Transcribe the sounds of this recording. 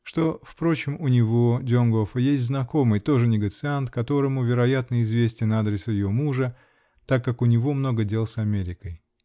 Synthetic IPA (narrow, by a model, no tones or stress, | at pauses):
ʂt̪o̞fpɾo̞t͡ɕɪmʊnʲɪvo̞dʲonɡofəjesʲtʲznɐko̞mɨjt̪o̞ʐɨnʲɪɡət̪sɨant̪kɐt̪o̞ɾəmʊvʲɪɾɐjat̪nəɪzvʲesʲtʲɪnad̪ɾʲɪsɨjɪvomuʐə | t̪akːakʊnʲɪvo̞mno̞ɡədʲe̞lˠsɐmʲeɾʲɪkəj